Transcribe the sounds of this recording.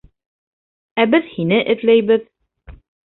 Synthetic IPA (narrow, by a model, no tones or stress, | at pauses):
æbɘðhinɘʔɘ̆t̪læjβɘð